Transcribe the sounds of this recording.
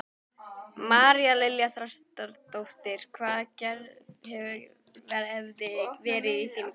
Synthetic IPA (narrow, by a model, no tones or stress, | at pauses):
maːɾialɪljaθɾast̪aɾt̪owht̪ɪɾ̥kʰvaːðcɛɾhɛvʏ | vɛɾɛvðɪvɛːɾɪðiθin